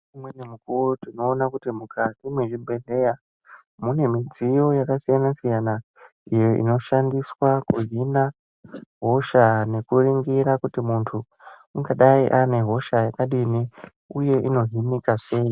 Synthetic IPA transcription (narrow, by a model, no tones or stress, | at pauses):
umwenemukurutino̞ːnakutimukatimweʐibʱe̞ɮe̞ja | mune̞mid͡zijo̞jakasijanasijana | ijo̞ḭno̞ʃandiswakuɦina | ɦo̞ʃane̞kuriŋɡiɾakutimuntʰu | uŋɡaɗaiʔane̞ɦo̞ʃajakaɗini | uje̞ʔino̞ɦinikase̞i